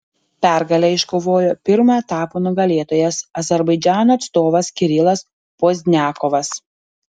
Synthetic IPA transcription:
pʲæˑɾɡɐlʲɛɪʃkoʋoːjoːpʲɪɾmoɛt̪ɑːpoːnʊɡɐlʲeːt̪oːjɛsɐzʲɛɾbɐɪd͡ʒʲæːnoɐt̪st̪oːʋɐskʲɪɾʲɪlˠɐs | poːzʲnʲæːkɔʋɐs

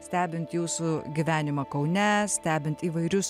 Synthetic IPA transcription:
sʲt̪ʲæːbʲɪnt̪juːsʊɡʲiʋʲæːnʲɪmɐkɐʊnʲɛssʲt̪ʲæːbʲɪnt̪iːʋɐɪɾʲʊs

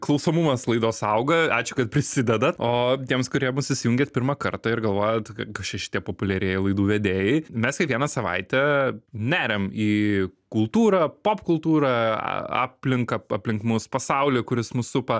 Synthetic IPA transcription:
klˠɐʊsomumɐslˠɐɪd̪oːsɐʊɡɐɑːt͡ʃʲʊkɐt̪̚pʲɾʲɪsʲɪd̪ʲɛd̪ɐt̪oːt̪ʲiɛmskʊɾʲiɛmʊsɪsʲɪjuŋʲɡʲet̪ʲpʲɪɾmɐkɐrt̪ɐɪɾɡɐlˠʋoːjɛt̪ɐkɐt͡ʃʲɛʃʲɪ̥t̪ʲiɛpoːpʊlʲɛɾʲeːjɪlˠɐɪd̪uːʋʲɛd̪ʲeːjɛɪmʲɛskʲɐɪkʋʲiɛnɐsɐʋɐ̰ɪt̪ʲɛnʲæːɾʲɛmiːkʊlˠt̪uːɾɐpoːpkʊlˠt̪uːɾɐ̰ɑ̰ːpʲlʲɪŋkɐɐpʲlʲɪŋkmʊspɐsɐʊlʲikʊɾʲɪsmʊsʊpɐ

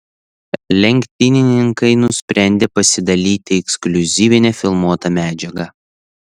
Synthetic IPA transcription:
lʲɛŋʲkʲt̪ʲɪnʲɪnʲɪŋkɐɪnʊsʲpʲɾʲæˑnʲd̪ʲeːpɐsʲɪd̪ɐlʲiːt̪ʲɪɛksklʲʊzʲiːʋʲɪnʲɛfʲɪlˠmuɔt̪ɐmʲæːd͡ʒʲɛɡɐ

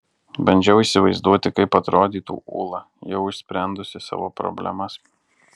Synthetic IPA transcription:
bɐnʲd͡ʒʲɛʊiːsʲɪʋɐɪzd̪uɔt̪ʲɪkɐɪpɐt̪ɾoːd̪ʲiːt̪ṵːʔṵːlˠɐ | jɛʊɪʃʲsʲpʲɾʲænd̪ʊsʲɪsɑ̰ːʋoːpɾɔ̰bʲlʲɛ̰mɐs

